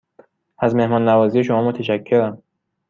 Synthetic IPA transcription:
æzme̞hmɒːnːævɒːzije̞ʃo̞mɒːmot̪ʰæʃækʰːeɾæm

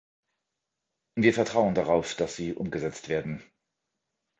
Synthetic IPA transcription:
viːɐfɛɐtʁ̥aʊəndaʁaʊfd̥asz̥iːʔʊ̰mɡəzɛt͡stv̥eːɐdn̩

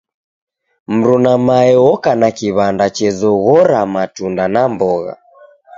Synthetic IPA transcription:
m̩ɾunamaɛwɔkanakiβandat͡ʃɛzɔɣɔɾamatundanambɔɣa̰

